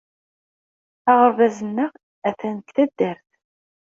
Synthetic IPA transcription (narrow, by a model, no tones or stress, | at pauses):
æʁəɾvæzənːəʁ | æθænəkθæd̪ːəɾθ